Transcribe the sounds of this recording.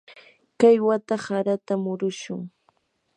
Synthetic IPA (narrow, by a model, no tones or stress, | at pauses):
kajwat̪ahaɾat̪amʊɾʊʃʊŋ